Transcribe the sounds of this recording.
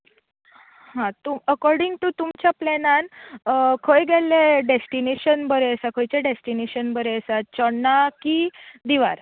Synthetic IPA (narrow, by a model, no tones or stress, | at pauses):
hãt̪uəkɔɾɖiŋɡt̪ut̪umt͡ɕjaplɛnãn | kʰəjɡɛleɖesʈineɕənbəɾeəsakʰojt͡ɕeɖesʈineɕənbəɾeəsat̪̚t͡ɕəɽnːakid̪iʋaɾ